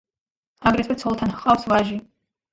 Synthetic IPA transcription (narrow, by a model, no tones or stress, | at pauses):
aɡɾɛt̪ʰwɛt̪sʰɔlˠt̪ʰanhqʼawsvaʒi